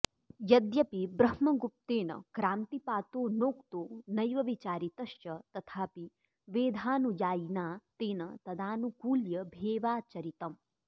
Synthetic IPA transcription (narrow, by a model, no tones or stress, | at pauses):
jɐd̪jɐpibɾɐhmɐɡup̚t̪eːnɐ̰kɾaːnt̪ipaːt̪oːnoːkt̪oːnɐjʋɐʋit͡ʃaːɾit̪ɐʃjɐt̪ɐt̪ʰaːpi | ʋeːd̪ʱaːnujaːjnaːt̪eːnɐt̪ɐd̪aːnukuːljɐbʱeːʋaːt͡ʃɐɾit̪ɐm